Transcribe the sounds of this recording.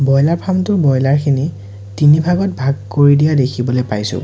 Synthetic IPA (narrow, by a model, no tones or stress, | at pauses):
bɔjlaɹpʰamtʊɹbɔjlaɹkʰini | tinibʱaɡɔt̚bʱaɡ̚koɹidijadekʰibɔlojpajsʊ̰̃